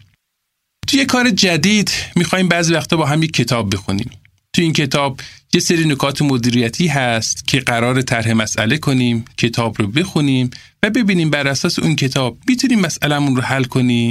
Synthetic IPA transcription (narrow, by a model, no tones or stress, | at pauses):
t̪ʰujekʰɒːɾe̞d͡ʒæd̪iːd̪miːxɒːhiːmbæʔziːvæxt̪ɒːbɒːɦæmjecʰːe̞t̪ʰɒːb̚ːe̞xunḭːm | t̪ʰuiːncʰe̞t̪ʰɒːb̚je̞seɾiːnokʰɒːt̪ʰemod̪iːɾijæt̪ʰiːɦæst̪cʰe̞ɢæɾɒːɾet̪ʰæɾɦe̞mæsʔæle̞kʰoniːmcʰe̞t̪ʰɒːbɾobe̞xuniːm | væbe̞biːniːmbæɾʔæsɒːseʔuncʰe̞t̪ʰɒːb̥̚mit̪ʰuniːmːæsʔælæmunrohælkʰoniː